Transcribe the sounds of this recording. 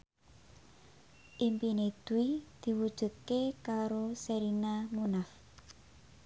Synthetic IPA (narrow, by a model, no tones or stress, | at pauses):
ʔimpined̪̥uwid̪̥i̤wud̥ʒ̥ṳt̪̚kekaɾoseɾinamunaf